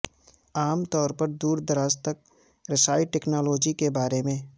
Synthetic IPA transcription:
aːmt̪ɔːɾpəɾd̪uːɾd̪əɾaːst̪ək̚ | ɾɐsaːiʈeːknaːlɔːd͡ʒikebaːɾemẽː

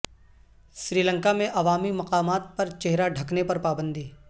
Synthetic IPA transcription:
ʃɾiːlə̃ŋkamẽʔɐʋaːmimɐqaːmaːt̪̚pɐɾt͡ʃeɦɾaɖʱɐknepɐɾpaːbə̃nd̪iː

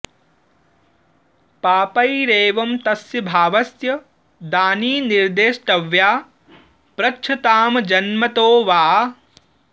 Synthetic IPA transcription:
paːpɐjɾeːʋɐmt̪ɐsjɐbʱaːʋɐsjɐ | d̪aːniːniɾd̪eːʃʈ̪ɐʋjaː | pɾɐt͡ʃʰɐt̪aːmɐd͡ʒɐnmɐt̪oːʋaː

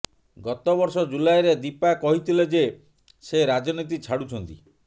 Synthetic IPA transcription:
ɡɔt̪ɔbɔɾsɔd͡ʒulajɾed̪ipakɔɦit̪ʰiled͡ʒe | seɾad͡ʒɔnit̪̬it͡ʃʰaɽut͡ʃʰɔnt̪i

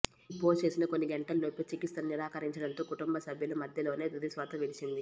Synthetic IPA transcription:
poːlt͡ʃe̞ːsinɐkonːiɡeɳʈɐlloːpʲɐt͡ʃikist̪ɐnniɾaːkɐɾiɲt͡ʃɐɽɐnt̪o̞ːkuʈumbɐsɐbʱjɐlumɐd̪ʱjɐlo̞ːne̞ːd̪ud̪isʋaːt̪ɐʋilit͡ʃind̪i

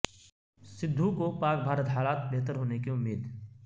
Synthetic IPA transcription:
sɪd̪ʱːũkopaːk̚bʱaːɾət̪ɦaːlaːt̪̚beɦt̪əɾɦoːnekiʊmːiːd̪

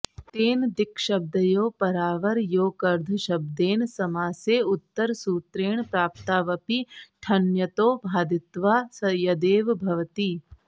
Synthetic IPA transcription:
t̪eːnd̪ɪkʃɐb̚d̪ɐjoːpɐɾaːʋɐɾjoːkɐɾd̪ʱɐʃɐb̚d̪eːnsɐmaːseːʊt̪ːəɾsuːt̪ɾeːɳ̃pɾaːp̚t̪aːʋɐpiʈʰɐnjɐt̪oːbʱaːd̪ɪt̪ʋaːsɐjɐd̪eːʋbʱɐʋɐt̪iː

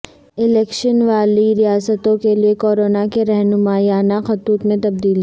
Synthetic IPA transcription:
ɪlɛːkʃənʋaːliɾijaːsət̪õkeliekɔːɾoːnakeɾɛɦnʊmaːijaːnaxɐt̪uːt̪mẽt̪ɐb̚d̪iːl

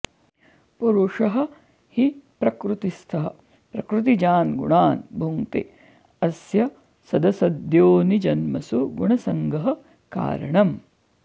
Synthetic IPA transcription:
puɾuʂɐɦɐ̆ | hipɾɐkɾut̪ist̪ʰɐɦɐ̰̆ | pɾɐkɾut̪̬id͡ʒaːnɡṵɳaːnbʱuŋt̪ḛ | ɐsjɐ | sɐd̪ɐsɐd̪joːnid͡ʒɐnmɐsuɡuɳɐsɐŋɡɐɦɐ̆ | ka̰ːɾɐ̰ɳɐm

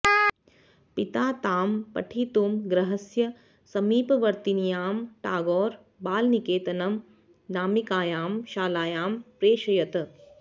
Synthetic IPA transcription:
pit̪aːt̪aːmpɐ̰ʈʰiːt̪uːmɡɾɐɦɐsjɐ | sɐmiːpɐʋɐɾt̪inijaːmʈaːɡɔːɾ | baːlnikeːt̪ɐnɐm | naːmikaːjaːmʃaːlaːjaːmpɾeːʃɐjɐt̪

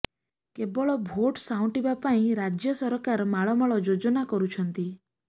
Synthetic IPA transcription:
kebɔɭɔbʱoʈsaũʈibapaĩɾad͡ʒjɔsɔɾɔkaɾmaɭɔmɔɭɔd͡ʒod͡ʒɔnakɔɾut͡ʃʰɔnt̪i

